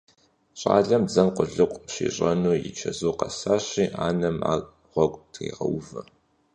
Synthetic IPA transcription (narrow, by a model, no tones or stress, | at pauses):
ɕʼa̰ːɮɐmd͡zɐmqʷʊɮɨqʷʼɕḭːɕʼɐnuːjɪ̰t͡ʃʰɐzoːqɐsaːɕiːʔaːnɐma̰ː | ʁʷɔkʷʼtʰḭːʁɐwvɨ